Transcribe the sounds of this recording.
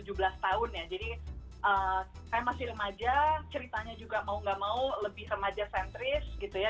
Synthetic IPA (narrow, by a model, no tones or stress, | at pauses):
ud͡ʒubəlast̪aʊnjad͡ʒadi | ʔəkajamasɪhrəmad͡ʒat͡ʃəɾit̪aɲad͡ʒuɡamauŋɡamauləbɪhrəmad͡ʒasɛnt̪ɾɪsɡit̪uja